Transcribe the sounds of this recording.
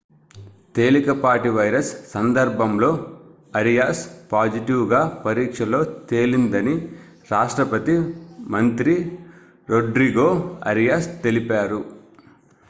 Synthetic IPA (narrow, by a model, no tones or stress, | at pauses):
t̪e̞ːlikɐpaːʈiʋɐjɾɐsːɐnd̪ɐɾbʱɐmlo̞ː | ɐɾijaːspaːd͡ʒiʈiwɡaːpɐɾiːkʂɐlo̞ːt̪e̞ːlind̪ɐni | ɾaːʂʈɾɐpɐt̪imɐnt̪ɾi | ɾoɖɾiɡo̞ːɐ̰ɾijaːst̪e̞lipaːɾu